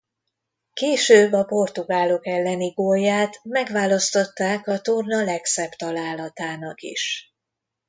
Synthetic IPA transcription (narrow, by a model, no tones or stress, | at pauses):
keːʃøːbːɒpo̞rt̪uɡaːlo̞kɛlːɛniɡoːjːaːt̪mɛɡʋaːlɒst̪ot̪ːaːkɒt̪ornɒlɛksɛbt̪ɒlaːlɒt̪aːnɒkḭʃ